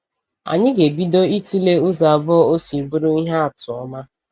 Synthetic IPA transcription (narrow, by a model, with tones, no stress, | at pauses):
a̰˨ɲɪ˦ɡe˨bi˦do˦i˦tu˦le˦ʊ˦za˨bɔ˦ɔ˦o˦si˨bu˦ɾʊ˦i˦ɦa˦a˨tʊ˨ɔ˦ma˦